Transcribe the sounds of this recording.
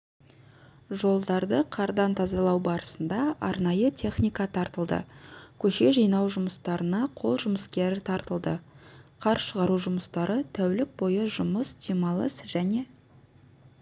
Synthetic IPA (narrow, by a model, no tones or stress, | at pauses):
ʒo̞lˠd̪ɑɾd̪əqʰɑɾd̪ɑnt̪ʰɑzɑlˠɑwbɑɾəsənd̪ɑʔɑɾnɑjət̪ʲʰe̞χnʲijkɑt̪ʰɑɾt̪əlˠd̪ə̰kʲʰɵʃe̞ʒijnɑwʒʊməst̪ɑɾənɑqʰo̞lˠʒʊməskʲe̞ɾɪt̪ʰɑɾt̪əlˠd̪əqʰɑɾʃəʁɑɾuʒʊməst̪ɑɾət̪ʰæwlɪk̚bo̞jəʒʊməsd̪imɑlˠəsʒ̥æne̞